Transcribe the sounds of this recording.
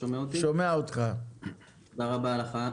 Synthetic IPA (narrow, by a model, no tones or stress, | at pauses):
ʃomeaot̪iʃʃomeaot̪χa | t̪od̪aʁabaːlaχa